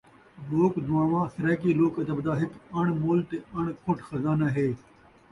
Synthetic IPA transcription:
loːkd̪uwãːʋãːsɪɾaːkiːloːkɐd̪ɐbd̪aːɦɪkɐɳ̃moːlt̪eɐɳ̃kʰʊʈʰxɐzaːnɐɦeː

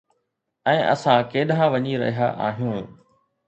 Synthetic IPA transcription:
ɛ̃ːʔɐ̰sãkeːɗɦãʋɐɲiɾɐ̰ɦijaʔa̰ːɦijũː

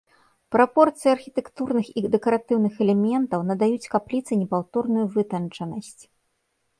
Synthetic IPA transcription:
pɾapɔrt̪sɨjɐrxʲit̪ɛkt̪urnɨxid̪ɛkɐɾat̪ɨwnɨxɛlʲɛmʲɛnt̪ɐwnɐd̪ajut͡sʲkaplʲit̪sɨnʲɛpawt̪ɔrnujuvɨt̪ɐnt͡ʂɐnɐsʲt͡sʲ

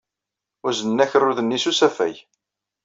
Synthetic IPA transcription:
ʊɾzənnːæçərːʊðənːisusæfæ̰j

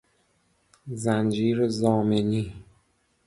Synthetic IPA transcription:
zænd͡ʒiːɾzɒːmeniː

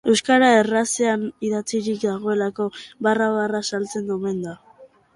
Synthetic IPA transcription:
e̞wskaɾaeraseaniðat͡siɾikd̪aɣ̞o̞e̞lako̞βaraβarasalt͡se̞nd̪ume̞nd̪a

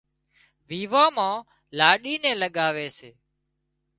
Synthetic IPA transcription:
ʋiːʋãːmãː | laːɗiːnɛ̃ːləɠaːʋeːseː

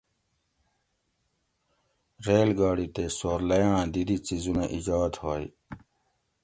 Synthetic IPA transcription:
ɾeːlɡaːɽit̪esoːɾlɐjãːd̪id̪it͡sizunaʔid͡ʑaːd̪hoːi

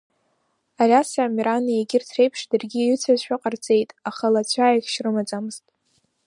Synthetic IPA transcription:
arʲasamiɾanieɡʲɪrtʰrejpʰʂdɨrɡʲijyt͡sʰazʃʷᶣaqʼart͡sʼe̞jtʼaχalat͡ɕʷʰaakʲʃrɨmat͡sʼamɨztʼ

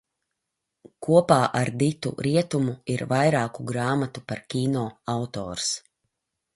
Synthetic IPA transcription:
kuɔpaːʔaɾd̪it̪ṵɾiɛt̪umuiɾvajɾaːkuɡɾaːmat̪upaɾkʲiːnɔːawt̪ɔ̰ːɾs

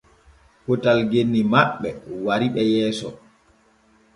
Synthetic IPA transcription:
hɔtalɡenːimaɓːɛwaɾiɓɛjɛːsɔ

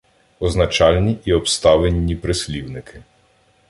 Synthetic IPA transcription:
ɔznɐt͡ʃɑlʲnʲiʔiɔpst̪ɑʋenʲːipɾɪsʲlʲiwnɪkʰɪ̥

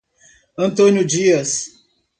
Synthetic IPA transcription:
ɐ̃nt̪õnʊd͡ʒiɐs

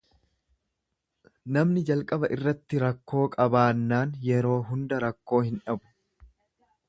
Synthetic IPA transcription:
nɐmnɪd͡ʒɐlkʼɐbɐʔɪrːɐt̪ːɪɾɐkːo̞ːkʼɐbaːnːaːnjɛɾo̞ːɦʊnd̪ɐɾɐkːo̞ːhɪnᶑɐbʊ̥

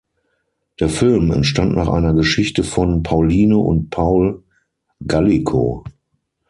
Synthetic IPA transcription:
d̥eːɐfɪlmɛ̰ntʃtantnʔaːχʔa̰ɪnɐɡəʃɪçtəfɔnpʰaʊliːnoʔʊ̰nt̚pʰaʊl | ɡalikʰo̰

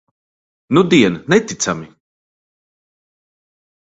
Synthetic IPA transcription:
nud̪iɛnnɛt̪it̪sami

